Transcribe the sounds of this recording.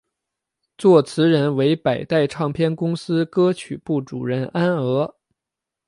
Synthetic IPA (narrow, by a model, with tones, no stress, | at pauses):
t͡swɔ˥˩t͡sʰɹ̩˧˥ɻə˧˥nwe˧˥ɪpa˨˩ɪt̪a˥˧ɪʈ͡ʂʰɑ˥˩ŋpʰjɛ˥˧nkʊ˥ŋsɹ̩˥kɤ˥t͡ɕʰy˨˩pu˥˩ʈ͡ʂṵ˨˩ɻə˥˩na˥nɤ˧˥